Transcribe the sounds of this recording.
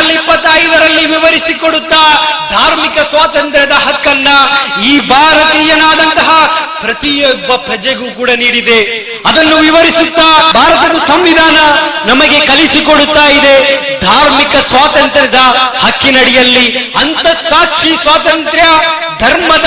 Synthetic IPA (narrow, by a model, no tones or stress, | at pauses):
lːipːɐt̪ːɐjd̪ɐɾɐlːiʋiʋɐɾisikoɽut̪ːaːd̪ʱaːɾmikɐsʋaːt̪ɐnt̪ɾjɐd̪ɐɦɐkːɐnːɐiːbʱaːɾɐt̪iːjɐnaːd̪ɐnt̪ɐɦɐpɾɐt̪ijɔɡʋɐpɾɐd͡ʒeɡukuːɽɐniːɽid̪e̞ | ɐd̪ɐnːuʋiʋɐɾisut̪ːaːbʱaːɾɐt̪ɐd̪ɐsɐmʋid̪ʱaːnɐnɐmɐɡe̞kɐlisikoɽut̪ːaːjid̪e̞ | d̪ʱaːɾmikɐsʋaːt̪ɐnt̪ɾɐd̪ɐhɐkːinɐɽɛjɐlːiɐnt̪ɐsaːkʂisʋaːt̪ɐnt̪ɾjɐ | d̪ʱɐɾmɐd̪